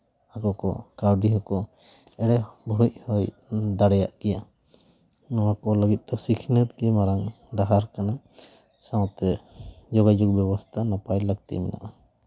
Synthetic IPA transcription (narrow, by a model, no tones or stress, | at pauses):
akɔkɔ̰kaɾɖiɦɔkɔ | ɛɽɛbʱuhɔj | d̪aɽɛjaʔkɛja | ɔakɔləɡit̪̚d̪ɔsikʰnət̪̚ɡɛmaɾaŋ | ɖaɦaɾkana | sãwt̪ɛd͡ʒɔɡajd͡ʒɔk̚bɛbɔst̪ʰanapajləɡ̚t̪ḭmɛna̰ʔa